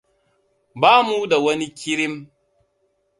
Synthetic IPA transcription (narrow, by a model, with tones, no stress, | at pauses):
baː˦mu˦da˨wɐ˦ni˦kʲɪ˦ɾɪ˦m